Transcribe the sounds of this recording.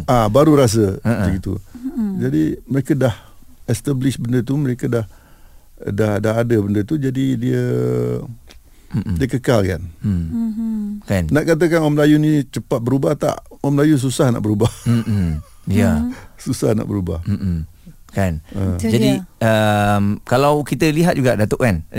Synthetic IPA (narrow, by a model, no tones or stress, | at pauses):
ʔabaɾuɾas̬əd͡ʒəɡit̪ṵd͡ʒadiməɾekədahɛst̪ablɪʃbəndət̪̬uməɾekədah | dahdaɦadəbəndət̪ud͡ʒadidiə | diəkəkalka̰n | kannaʔkat̪̬əkanamlajunĩt͡ʃəpat̪̚bəɾubaht̪a̰ʔwamlajus̬usahna̰ʔbəɾubah | jasusahna̰ʔbəɾuba̰hm̩ʔ | kanəd͡ʒadiəmkalawkit̪əliɦat̪̚d͡ʒuɡaʔdat̪oʔkan